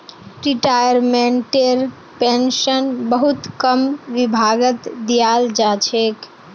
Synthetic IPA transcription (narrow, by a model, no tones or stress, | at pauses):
ɾiʈajəɾmeɳʈeɾ | pensənbəɦut̪kəmʋibʱaɡət̪d̪ijald͡ʒat͡ʃʰek